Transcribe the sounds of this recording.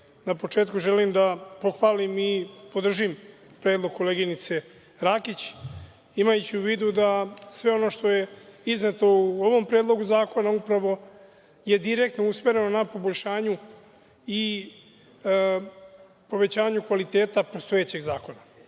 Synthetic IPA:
napo̞t͡ʃeːt̪kuʒelimd̪apo̞xʋaːlimipo̞d̪r̩ʒim | pɾeːd̪loɡ̚kːo̞le̞ɡinit̪se̞ | ɾaːkit͡ɕ | imajut͡ɕiuʋiːd̪ud̪asʋe̞o̞no̞ːʃt̪o̞je̞iznet̪o̞uoʋo̞mpɾeːd̪lˠo̞ɡuzaːko̞naupɾaʋo̞ | je̞d̪iɾe̞kt̪nousme̞ɾe̞no̞napo̞boʎʲʃaːɲu | i | po̞ʋe̞t͡ɕaːɲukʋalit̪e̞ːt̪apost̪o̞et͡ɕe̞ɡzaːko̞na

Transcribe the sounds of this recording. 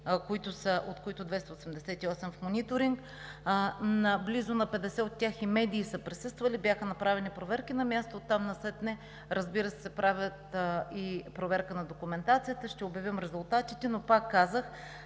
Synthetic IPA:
koit̪ʊsəʔot̪koit̪ʊd̪vɛst̪ɐosɛmd̪ɛsɛt̪iɔsɛmfmonʲit̪oɾiŋk | nblizʊnɐpɛd̪ɛsɛot̪ːʲaximɛd̪iːsəpɾɛsɤst̪vɐlibjaxənɐpɾavɛnipɾovɛɾkinɐmʲjast̪ot̪ːamnɐsɛt̪nɛ | ɾəzbiɾəsɛ̥sɛpɾavʲjət̪ipɾovɛɾkənɐd̪okʊmɛnt̪at̪sijət̪əʃt̪ɛobjɐvʲimɾɛzʊlˠt̪at̪it̪ɛnopakːazəx

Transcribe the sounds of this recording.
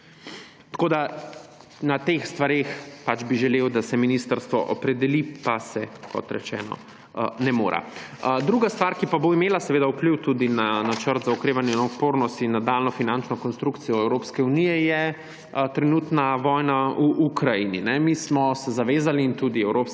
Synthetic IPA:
t̪ḁkoːd̪a | nat̪exst̪ʋaɾexpat͡ʃbiʒɛlewd̪asɛminist̪əɾst̪ʋɔʔɔpɾɛd̪ɛlipasɛkɔ̰t̪ɾɛ̰t͡ʃɛ̰ːnɔ̰ | nɛmo̰ːɾa̰d̪ɾuɡast̪ʋaɾkipaboimeːlasɛʋeːd̪aupliwt̪ud̪inanat͡ʃəɾt̪zaukɾeːʋanjɛnaut̪poɾnɔst̪inːad̪alnɔfinant͡ʃnɔkɔnst̪ɾukt̪sijɔɛwɾoːpskɛunijɛjɛ | t̪ɾɛnuːt̪naʋɔjnauʔukɾajininɛmismɔsɛzaʋeːzaliːnt̪ud̪iɛwɾops

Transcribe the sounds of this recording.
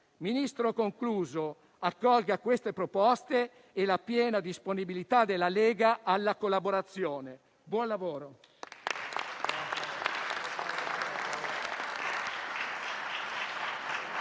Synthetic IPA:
minist̪ɾokoŋkluːzo | akːɔlɡakwest̪epɾopɔst̪e | elapjɛːnad̪isponibilit̪ad̪elːaleːɡaalːakolːaboɾat̪sːjoːne | bwɔnlavoːɾo

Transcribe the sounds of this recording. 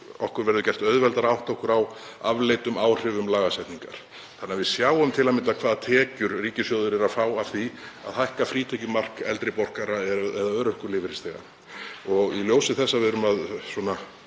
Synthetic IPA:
ɔ̰hkʏɾvɛɾðʏcɛjr̥t̪œðvɛlt̪aɾawht̪ɔhkʏɾaw | a̰vlejt̪ʏmaːwr̥ɪvʏmlaːɣasɛjht̪niŋka̰ɾ̥ | θanːavɪðsjaːwʏmt̪ʰɪlamɪnt̪akʰvaːðat̪ʰɛːcʏɾriːcɪsjœðʏɾɛɾaðfaːwav̥θia̰ðhajhkafɾiːt̪ʰɛcʏmar̥kɛ̰lt̪ɾɪpɔr̥kaɾaɛɛðaœːɾœhkʏɾlɪːvɪɾɪst̪eːɣa̰ | ɔɣiljoːwsɪθɛsːavɪðʏɾʏmaðswɔːna

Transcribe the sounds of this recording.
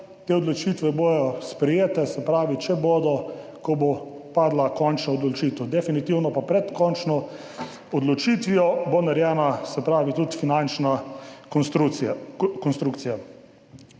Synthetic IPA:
t̪eːɔd̪lɔt͡ʃit̪ʋɛboːjɔspɾɛjeːt̪ɛsɛpɾaːʋit͡ʃɛbod̪ɔkɔbo | paːd̪lakɔnt͡ʃnɔːd̪lɔt͡ʃiːt̪ɛwd̪ɛfinit̪iwnɔpapɾɛt̪kɔnt͡ʃnɔ | ɔd̪lɔt͡ʃit̪ʋijɔbonaɾjɛnasɛpɾaːʋit̪ut̪finant͡ʃna | ɾu | kɔnst̪ɾukt̪sija

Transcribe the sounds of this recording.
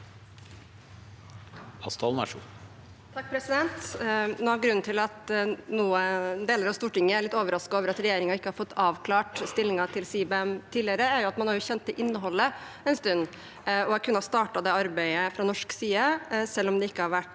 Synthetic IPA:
ɑst̪ʰɑlmæ̰ʂṵ | t̪ʰɑk̚ːpʰɾɛsɪd̪ɛnt̪noːɑɡɾʉnn̩t̪ɪlɑt̪nuːəd̪eːləɾɑʋst̪uːʈɪŋːəæɾɭɪt̪ːoːʋəɾɑskɑoːʋəɾɑt̪ɾɛjeːɾɪŋɑɪkːəhɑɾfɔt̪ːɑːʋkʰlɑːʈst̪ɪlːɪŋɑt̪ʰɪlsiːbɛɛmt̪ʰiːlɪəɾəæɾjʊɑt̪mɑnhɑɾjʊçɛnt̪ʰːɪlʔɪnːəɦɔlːə | ɛnst̪ʉnː | ɔɑɾkʰʉnːəhɑst̪ɑːʈɑd̪ɛɑɾbæɪəfɾɑnɔʂksiːɑsɛlːɔmd̪ɛɪkːəhɑɾʋæʈː

